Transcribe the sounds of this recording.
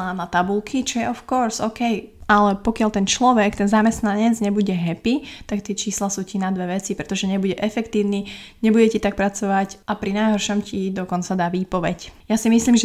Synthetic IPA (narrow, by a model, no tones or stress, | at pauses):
anat̪abulˠkʰit͡ʃɔjɛʔɔfkɔɾsɔkɛjʔalɛpɔkɪalt̪ɛnt͡ʃlɔʋɛkt̪ɛnzamɛst̪naɲɛd͡zɲɛbuɟɛɦɛpit̪akt̪ɪɛt͡ʃiːslasuːcinad̪ʋɛʋɛt͡sipɾɛt̪ɔʒɛɲɛbuɟɛʔɛfɛkt̪iːʊniɲɛbuɟɛcit̪ak̚pɾat͡sɔʋacʔapɾinajɦɔɾʃɔmcid̪ɔkɔnt͡sad̪aːʋiːpɔʋɛcjasimisliːmʒ